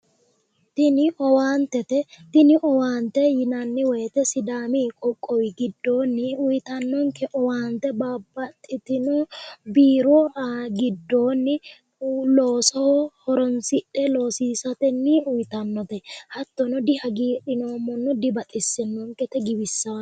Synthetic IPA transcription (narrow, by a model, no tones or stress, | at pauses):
t̪ɪnɪʔɔwaːnt̪ɛt̪ɛt̪ɪnɪʔɔwaːnt̪ɛjɪnɐnːɪwɔjɛt̪ɛsɪd̪aːmikʼɔkʼːɔwɪɡɪd̪ːo̞ːnːɪʊjt̪ɐnːɔŋkɛʔɔwaːnt̪ɛbaːbːɐt̪ʼːɪt̪ɪnʊbiːɾɔɾaɡɪd̪ːoːnːɪ | loːsɔhɔhɔɾɔnsɪᶑːɛloːsiːsɐt̪ɛnːɪʊjt̪ɐnːɔt̪ɛhɐt̪ːɔnɔd̪ɪhɐɡiːᶑɪnoːmːɔnːɔd̪ɪbɐt̪ʼɪsːɛnːɔŋkɛt̪ɛɡɪbɪsːɐ